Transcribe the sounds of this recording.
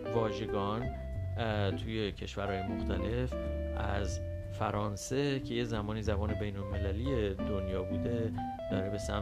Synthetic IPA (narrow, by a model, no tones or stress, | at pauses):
vɒːʒe̞ɡɒːn | t̪ʰuːje̞cʰe̞ʃvæɾhɒːjemoxt̪ʰæle̞f | ʔæz | fæɾɒːnse̞cʰe̞je̞zæmɒːniːzæbɒːne̞be̞jnolme̞læliːje̞d̪o̞njɒːbuːd̪e̞ | d̪̥ɒːɾe̞be̞sæ̰m